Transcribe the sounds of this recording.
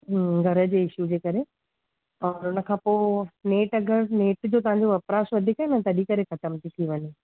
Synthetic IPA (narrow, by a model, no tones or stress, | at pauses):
ɡʱɐɾə̆d͡ʑeːɪʃud͡ʑeːkɐɾe | ɔːɾʊnə̆kʰãːpoːneːʈɐɡəɾneːʈd͡ʑoːt̪ɐʋ̤ãɲd͡ʑoʋɐpɾaːsʋɐd̪ʱikaɦenɐt̪ɐɗikɐɾexɐt̪əmt̪ʰit̪ʰiʋɐɲe